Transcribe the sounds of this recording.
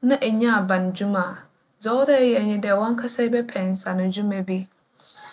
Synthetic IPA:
nã˦ʔɛ˨ɲã˦a˨bã˨nd͡ʑu˦mã˨ | zɔ˦dɛ˦jɛ˨ɲĩ˦dɛ˨wɔ̃˦ŋ˦kʰa˦sa˦i˦bɛ˦pʰɛ̃˨n˨sa˨nʊ̃˨d͡ʑu˦mɛ̃˨bi˦

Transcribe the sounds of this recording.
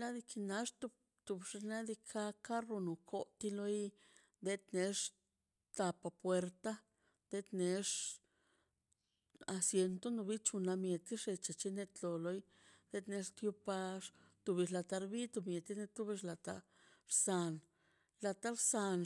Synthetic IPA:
la˦d̪i˧ki˧na˧ʂt̪u˧ | t̪u˧˨bʂe˧na˦d̪i˧kʰa˦ka˦ro˧nu˨kʰo˧˦t̪i˧lo˧˦j | d̪e˦t̪ne˧ʂ | t̪a˧pa˧˨pwe˧ɾt̪a˦ | d̪e˧˦t̪ne˧ʂ | a˧sje˧nt̪o˦no˧bi˦t͡ʃu˧na˧mje˨t̪i˦ʂe˧t͡ʃa˨t͡ʃi˧ne˧t̪lo˨lo˧˦j | d̪̥e˦t̪ne˧˦ʂt̪ju˧pa˧ʂt̪u˧bi˧ʃla˧t̪a˧ɾbi˦t̪u˧bmje˨t̪i˦ne˧t̪u˦bi˧ʂla˨t̪a̰˧ | ɾsa˧n | la˧t̪a˦ɾsa˧n

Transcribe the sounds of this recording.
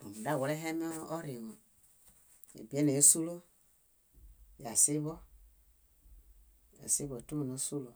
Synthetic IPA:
o̰˨mu˨da˦˨wo˨le˦ɦɛ˦mi˦ɔː˦ɾi˨wo˨ | ḛ˨bi˨˦e˦ne˨o˦su˦lo˦ | ja˨si˦βɔ˦ | a̰˨si˦βo˨tu˦mo˨no˨˦su˦lo˨

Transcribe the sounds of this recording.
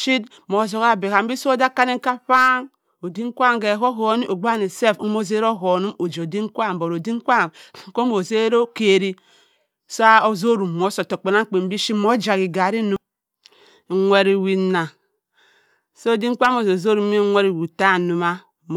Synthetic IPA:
ʃi˦d | mo˨zo˨ɣa˦be˨ka˨m̩˦bi˦so˦o˦da˦ka˦ni˦ŋ̩˦ka˦ɸa˦ŋ | o˨di˦ŋ˦kʷa˦ŋ˨ɡe˨ɦo˦ɦo˨˦ni˦ʔo˨ɡ͡ba˦ni˨se˦˨fo˦mo˦ze˦ɾo˦ɦo˨nu˦mo˨d͡ʒo˨di˦ŋ˦kʷa˦˨m˨bo˨ɾo˨di˦ŋ˦kʷa˦ŋ˨ko˦mo˨ze˦ɾo˦ke˨ɾi˦ | so˦a˦o˨zo˦ɾu˨mo˨˦so˨to˨k͡pe˨na˦ŋ̩˦k͡pe˨m̩˦i˦ʃi˦mo˦d͡ʒa˨ɣi˨ɡa˨ɾi˦nu˦ | ŋʷe˦ɾi˨wi˨˦na˨ | so˦˨di˦ŋ̩˦kʷa˦mo˨zo˨zo˦ɾu˨˦i˦ŋʷe˦ɾi˨wi˨ta˦˨nu˨ma˦ | m˨

